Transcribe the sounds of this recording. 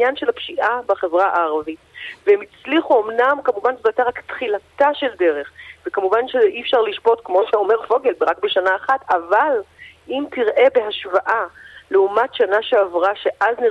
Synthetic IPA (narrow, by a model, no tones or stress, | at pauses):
njanʃe̞lapʃiʔabaχevʁaʔaːʁavitveemit͡sliχuomnamkamuvanzotat̪eʁaktχilataʃe̞lde̞ʁe̞χvekamuvanʃeʔifʃaʁliʃpo̞tkmo̞ʃeo̞me̞ʁfo̞ɡe̞lbeʁak̚beʃanaːχatavalʔimtiʁʔe̞be̞ɦaʃvaʔaleumatʃanaʃeavʁaʃe̞ʔazniʁ